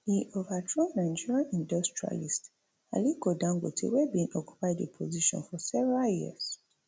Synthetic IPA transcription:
diʔovadɹonãɪd͡ʒiɹiãnĩndɔstɹia̰list | a̰likodãŋɡotʰḛwɛbĩnɔkju̥paɪdepʰoziʃɔ̰̃nfɔsɛvɹajiəs

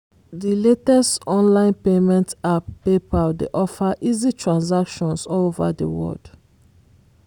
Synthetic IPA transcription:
diletɛstɔ̃nlãɪ̃npemɛ̃ntapːepadḛʔɔfaʔizitʰɹãnsakʃɔ̃nsɔlova̰də̰wɔ̰ld̥

